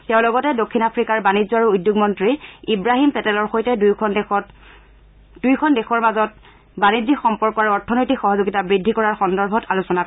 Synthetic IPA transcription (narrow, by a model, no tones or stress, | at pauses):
tɛʊ̃lɔɡɔtɛdokʰːinapʰɹikaɹbanizɔaɹuujdjoɡmɔntɹiibɹaɦimpɛtɛlɔɹxojtɛd | d̥ujkʰɔndɛxɔɹmazɔt̚ | banizixɔmpɔɹkɔaɹɔɹtʰɔnojtikxɔɦɔzoɡitabɹidʱːikɔɹaɹxɔndɔɹbʱɔtʰalusɔnak